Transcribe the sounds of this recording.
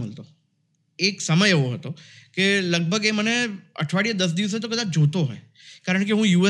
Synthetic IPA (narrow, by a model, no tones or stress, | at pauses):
oːlt̪o | eːksɐməjʋoɦo̰ːt̪oːkelɐɡ̚bʱəɡeməneɐ̰ʈʰʋaːɽijad̪ɐs̬d̪iːʋs̬et̪okɐd̪ad͡ʒʱoːt̪oɦɛ̰̃ː | kaːɾəɳ̃keɦũːjuːɛ